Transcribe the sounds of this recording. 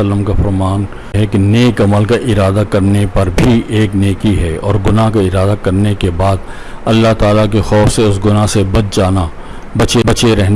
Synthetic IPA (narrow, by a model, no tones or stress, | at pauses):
əlːəmkafɐɾmaːn | ɦɛkeneːkɐməlkaʔɪɾaːd̪akɐɾnepɐɾbʱieːkneːkiɦɛɔ̰ːɾɡʊnaɦkaɪɾaːd̪akɐɾnekebaːd̪̚ | ɐlːaɦt̪aːlakexɔːfseʊsɡʊnaɦsebɐd̪̚d͡ʒaːna | bɐt͡ʃebɐt͡ʃeɾɛɦn